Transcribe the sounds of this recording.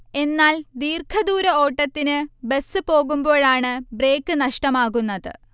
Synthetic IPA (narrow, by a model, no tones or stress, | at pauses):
e̞nːaːld̪iːrkʰɐðuːɾɐo̞ːʈːɐt̪ːinɨbe̞sːɨpo̞ːɣumbo̞ːɭaːɳɨbre̞ːkːɨnɐʂʈɐmaːɣunːɐðɨ̰